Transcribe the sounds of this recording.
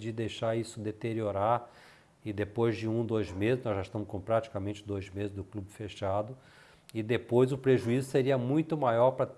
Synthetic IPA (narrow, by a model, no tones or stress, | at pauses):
d͡ʒɪd̪ejʃaɾisʊd̪et̪eɾioɾaɾ | ɪd̪epojzd͡ʒɪũd̪ojzmezɪznɔzʒaiʃt̪ɐ̃mʊskõpɾat͡ʃi̥kamẽnt͡ʃɪd̪ojzmezɪzd̪ʊklubɪfeʃad̪ʊ | ɪd̪epojzʊpɾeʒuizʊseɾiɐmũj̃t̪ʊmajɔɾpɾɐt̪